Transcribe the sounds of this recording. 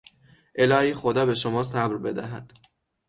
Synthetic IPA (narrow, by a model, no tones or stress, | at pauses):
ʔe̞lɒːhiːxod̪ɒːbe̞ʃomɒːsæbɾbe̞d̪æ̰ɦæd̪̥